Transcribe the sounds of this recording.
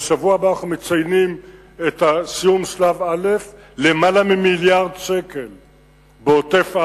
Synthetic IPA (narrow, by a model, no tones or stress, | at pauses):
ʃavuabaanaχnumet͡sajnim | et̪asijumʃlavale̞f | lemalamimiljaʁdʃekel | beotefa